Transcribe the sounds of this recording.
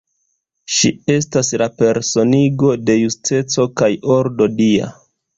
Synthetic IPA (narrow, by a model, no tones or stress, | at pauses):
ʃie̞staslape̞ɾso̞niɡo̞de̞juste̞t͡so̞kajo̞ɾdo̞dia̰